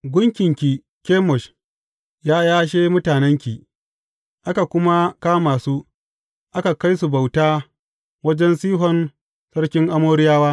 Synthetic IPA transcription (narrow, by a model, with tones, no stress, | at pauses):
ɡʷʊ˦ŋkʲɪ˨ŋkʲi˨ | kʲeː˦mɔ˨ʃ | jaː˦jaː˦ʃ̬eː˦mʊ˦taː˨nɛ˦ŋkʲi˨ | ʔa˦ka˨kʷʊ˦ma˦kaː˦maː˨suː˦ | ʔa˦ka˨ka˦jsu˨ba˨wtaː˦ | wɐ˦d͡ʒɛ˦nsiː˦ɦɔ˨n | sɐ˦ɽkʲɪ˦ŋʔa˦moː˦ɾɪ˦jaː˦waː˦